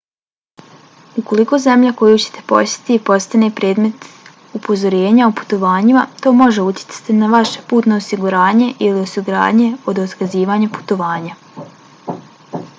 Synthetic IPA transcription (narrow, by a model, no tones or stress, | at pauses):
uko̞liko̞ːze̞mʎako̞jut͡ɕe̥t̪e̞̥po̞se̥t̪ipo̞st̪ane̞pɾe̞ːd̪me̞t̪ | upo̞zo̞ɾe̞ːɲaupu̥t̪o̞ʋaːɲimat̪o̞ːmo̞ʒe̞ut̪ʲje̥t̪sḁt̪inaʋaʃepuːt̪noosiɡuɾaːɲe̞ʔilio̞siɡuɾa̰ːdɲe̞o̞d̪ot̪kaziːʋaːɲapu̥t̪o̞ʋaːɲa